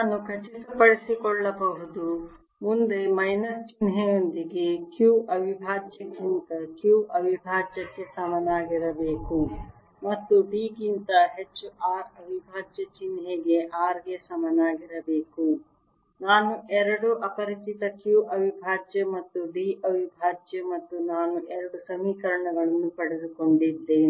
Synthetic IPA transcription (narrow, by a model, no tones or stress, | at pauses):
naːnukʰɐt͡ʃisupɐɽisikɔɭːɐbɐɦud̪u | mund̪e̞mɐjnɐst͡ʃinɦejond̪iɡe̞kjuːʔɐʋibʱaːd͡ʒjɐɡint̪ɐkjuːʔɐʋibʱaːd͡ʒjɐkːe̞sɐmɐnaːɡiɾɐbeːku | mɐt̪ːuɖiːɡint̪ɐɦet͡ʃːuaːɾɐʋibʱaːd͡ʒjɐt͡ʃinɦeːɡe̞ʔaːɾɡesɐmɐnaːɡiɾɐbeːku | naːnuʔɛɾɐɽuʔɐpɐɾit͡ʃit̪ɐkjuːʔɐʋibʱaːd͡ʒjɐmɐt̪ːuɖiːʔɐʋibʱaːd͡ʒjɐmɐt̪ːunaːnuʔɛɾɐɽusɐmiːkɐɾɐɳɐɡɐɭɐnːupɐɽed̪uko̞ɳɖid̪ːeː